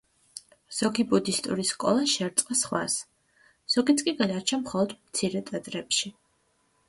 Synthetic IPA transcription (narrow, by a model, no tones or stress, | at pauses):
z̥ɔɡibud̪ist̪ʼṵɾiskʼɔ̰lˠaʃɛɾt̪sʼqʼasχwa̰s | z̥ɔɡit̪sʰʼkʼiɡad̪aɾt͡ʃʰamχɔlˠɔd̪mt̪sʰiɾɛt̪ʼɛt̪ʼɾɛpʃi